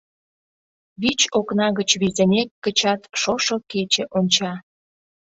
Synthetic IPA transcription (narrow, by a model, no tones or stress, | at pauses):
βit͡ɕoknɑɣət͡ɕβizenʲekːət͡ɕɑt̪ʃoʃoket͡ɕĕʔonʲt͡ɕɑ